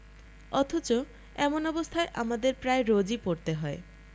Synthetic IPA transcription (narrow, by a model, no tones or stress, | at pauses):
ɔt̪ʰot͡ɕo | ɛmonɔbost̪ʰaeʔamad̪eɾpɾaeɾod͡ʑipoɾt̪eɦɔe